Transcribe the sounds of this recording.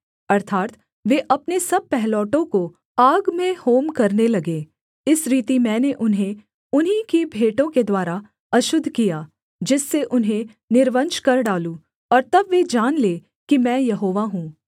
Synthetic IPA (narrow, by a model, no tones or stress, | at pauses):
ɐɾt̪ʰaːt̪ | ʋeʔɐpnesɐb̚pɛɦlɔːʈõko | aːɡmẽhoːmkɐɾnelɐɡeː | ɪsɾiːt̪imɛ̃ːneʔʊnɦẽ | ʊnɦikibʱeːʈõked̪waːɾa | ɐʃʊd̪ʱːkijaː | d͡ʒɪsːeʔʊnɦẽ | nɪɾʋə̃nʃkɐɾɖaːlũ | ɔːɾt̪ɐbʋed͡ʒaːnleː | kimɛ̃ːjɐɦoːʋaɦũː